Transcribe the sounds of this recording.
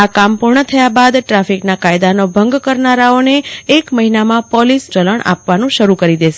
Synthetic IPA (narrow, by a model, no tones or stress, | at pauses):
akampuɾɳət̪ʰəjabad̪ʈɾafiknakajd̪anobʱəŋɡkəɾnaɾaoneːkməɦinamãpɔlist͡ʃələɳʔa̰pʋanũʃəɾukəɾid̪eʃe